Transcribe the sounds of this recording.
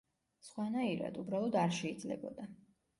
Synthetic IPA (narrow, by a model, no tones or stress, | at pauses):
sχwanaiɾa̰d̪ubɾalˠɔd̪aɾʃɛid̪zlɛ̰bɔ̰d̪a